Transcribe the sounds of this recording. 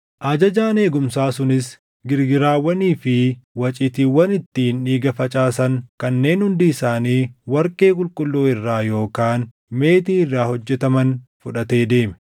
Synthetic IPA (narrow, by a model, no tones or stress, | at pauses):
ʔɐd͡ʒɐd͡ʒaːne̞ːɡʊmsaːsʊnɪs | ɡɪɾɡɪɾaːwɐniːfɪwɐt͡ʃʼɪt̪iːwɐnɪt̪ːiːniːɡɐfɐt͡ʃʼaːsɐŋkɐnːe̞ːnhʊnd̪iːsaːniːwɐɾkʼe̞ːkʼʊlkʼʊlːoːɪrːaːjo̞ːkaːn | me̞ːt̪iːɪrːaːhɔd͡ʒːɛt̪ɐmɐnfʊᶑɐt̪e̞ːd̪e̞ːmɛ̥